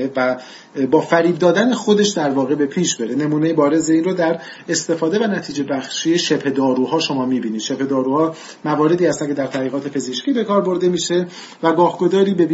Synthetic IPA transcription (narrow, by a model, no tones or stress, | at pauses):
evæ | bɒːfæɾiːb̚d̪ɒːd̪æne̞xod̪e̞ʃd̪æɾvɒːɣe̞be̞pʰiːʃbe̞ɾe̞ne̞muːnejebɒːɾe̞ze̞iːnrɾoːd̪æɾ | est̪e̞fɒːd̪e̞vænæt̪ʰiːd͡ʒe̞bæxʃiːeʃe̞bhed̪ɒːɾuɦɒːʃo̞mɒːmiːbiːniːd̪ʃebhe̞d̪ɒːɾuːhɒː | mævɒːɾe̞d̪iːhæst̪æncʰd̪æɾt̪ʰæʁiːɣɒːt̪ʰe̞pʰe̞zeʃkciːbe̞kɒːɾbo̞ɾd̪e̞miːʃe̞ | væɡɒːhɡo̞zɒːɾiːbe̞b